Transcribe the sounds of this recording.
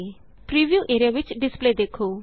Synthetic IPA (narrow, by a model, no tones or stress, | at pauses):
pɾiːʋjuʔeːɾijaʋit͡ʃɖɪspled̪ekʰo